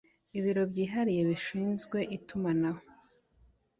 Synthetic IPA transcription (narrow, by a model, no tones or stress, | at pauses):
iβiɾo̞bɟiːɦaɾije̞βiʃiːnzɡwe̞ʔitumanaho